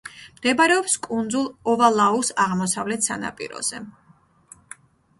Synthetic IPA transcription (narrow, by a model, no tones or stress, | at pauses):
md̪̥ɛbaɾɛɔpskʼund̪zulˠɔvalˠausaʁmɔsavlɛt̪ʰsa̰na̰pʼḭɾɔ̰z̥ɛ